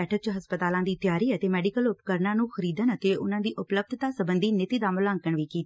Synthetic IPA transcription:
ɛːʈʰək̚t͡ʃɦəspət̪aːlãːd̪iːt̪jaːɾiːət̪eːmɛːɖɪkəlʊpkəɾnãːnũːxəɾiːd̪ənət̪eːʊnãːd̪iːʔʊpləb̚d̪ʱt̪aːsəbənd̪iːnɪt̪iːd̪aːmʊlãːŋkəɳʋiːkiːt̪ː

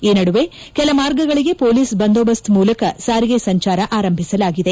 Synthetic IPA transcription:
eːnɐɽuʋe̞ | kɛlɐmaːɾɡɐɡɐɭiɡe̞poːliːsbɐnd̪obɐst̪ʰmuːlɐkɐsaːɾiɡesɐɲt͡ʃaːɾɐʔaːɾɐmbʱisɐlaːɡid̪e̞

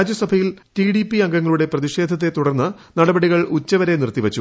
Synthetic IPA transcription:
aːd͡ʑjɐsɐbʱɐjilʈiɽipːiɐŋɡɐŋːɐɭuɽe̞prɐðiɕe̞ːd̪ʱɐt̪ːe̞t̪uɽɐrnːɨnɐɽɐbɐɽiɣɐɭut͡ɕːɐʋɐɾe̞nirt̪ːiʋɐt͡ɕːu

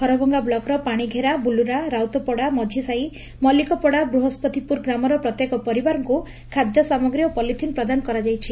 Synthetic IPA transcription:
hʰɔɾɔbʱɔŋɡablɔkɾɔpaɽ̃iɡʱeɾabuluɾaɾawt̪ɔpɔɽamɔd͡ʒʱisai | mɔlikɔpɔɽabɾuɦɔspɔt̪ipuɾɡɾamɔɾɔpɾɔt̪jekɔpɔɾibaɾɔŋku | kʰad̪jɔsamɔɡɾijɔpɔlit̪ʰinpɾɔd̪anɔkɔɾad͡ʒajt͡ʃʰi

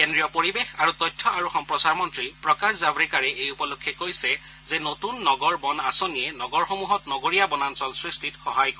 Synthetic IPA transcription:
kendɹijɔpoɹibexaɹutɔjtʰːɔaɹuxɔmpɹɔsaɹmɔntɹipɹɔkaszabɹikaɹɛʔejupɔlokʰːɛkojsɛ | zɛnotunːɔɡɔɹbɔnasonijɛnɔɡɔɹxomuɦɔtnɔɡoɹijabɔnansɔlsɹistʰitxɔɦajkɔ

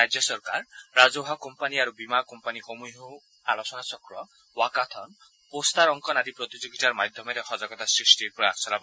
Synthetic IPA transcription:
ɾad͡ʒjɔsɔɾkaɾːad͡ʒoɦakɔmpaniaɾubimakɔmpanikɔmujɦo | alɔsɔnat͡ʃɔkɾɔ | wakat̪ʰɔn | post̪aɾɔŋkɔnaɾipɾɔt̪ud͡ʒoɡit͡ʃaɾmad̪ʱjɔmeɾehɔd͡ʒaɡɔt̪asɾisʈiɾpɾɔa̰ksɔlabɔ

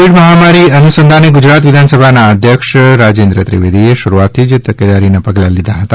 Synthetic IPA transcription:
iɽməɦamaɾiənusənd̪ʱaneɡʊd͡ʒɾat̪ʋɪd̪ʱansəbʱanaəd̪ʱjəkʃɾad͡ʒend̪ɾət̪ɾḭʋed̪ʱieʃʊɾuat̪ʰːid͡ʒt̪əked̪aɾinapəɡlalid̪ʱaɦət̪a

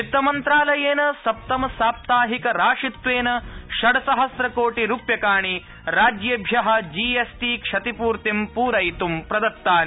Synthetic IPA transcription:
it̪ːɐmɐnt̪ɾaːlɐjeːnɐsɐp̚t̪ɐmɐsaːp̚t̪aːɦikɐɾaːʂit̪ʋeːnɐʃɐɽɐsɐɦɐsɾɐkoːʈiɾuːpjɐkaːɳi | ɾaːd͡ʒjɐbʱjɐɦɐ̆d͡ʒiːesʈiːkʂɐt̪ipuːɾt̪impuːɾɐjt̪umpɾɐd̪ɐt̪ːaːl

